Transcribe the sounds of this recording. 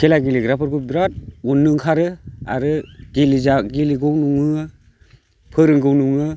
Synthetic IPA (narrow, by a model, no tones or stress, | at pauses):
kʰelaɡiliɡɾapʰɯɾɡubɾat̚ɔnːɯŋkʰaɾɯa̰ɾɯɡ̥elizaɡiliɡɯwnuŋɯ | pʰɯɾɯŋɡɯwnuŋɯ